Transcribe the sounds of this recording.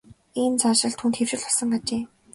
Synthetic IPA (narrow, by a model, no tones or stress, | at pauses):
eːnt͡sʰaʃɪ̆ɬt̪ʰxuːnt̪xew̥t͡ɕɪ̆ɮɔsə̆ŋɢat͡ɕeː